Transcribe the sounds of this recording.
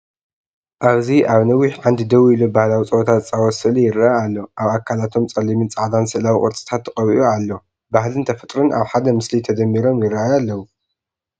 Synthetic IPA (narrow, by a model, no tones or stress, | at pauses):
ʔaβziʔaβnɐwːiħʕand̪id̪ɐwuilubahlawit͡sʼɐwot̪ʰatt͡sʼawɔsɨlijɪraʔajalːo̞ʔaβakʰːalat̪ʰo̞mt͡sʼɐlimint͡sʼaʕd̪ansɨʔlawiʔʼɔɾt͡sʼɨ̥t̪ʰat̪ʰːɨχʼɐwiʔualːo̞ | bahlɨnt̪ʰɐfɐt̪ʼɾɨnʔaβħad̪ɐmɨslit̪ʰɐd̪ɐmːiɾo̞mjɪraajalːɐwu